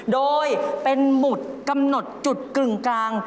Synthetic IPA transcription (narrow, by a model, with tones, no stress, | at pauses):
doː˧jpe˧nmu˨˩t̪̚ka˧mno˨˩t̪̚t͡ɕu˨˩t̪̚klɯ˨˩ŋkaː˧ŋ